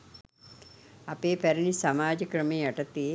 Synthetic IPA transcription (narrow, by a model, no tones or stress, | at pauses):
apeːpæɾinisamaːd͡ʒəkɾəmeːaʈɐt̪i